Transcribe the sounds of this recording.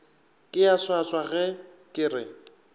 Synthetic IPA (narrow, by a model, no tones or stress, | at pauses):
kʼɪaswaswaɣɛ | kʼɪrɪ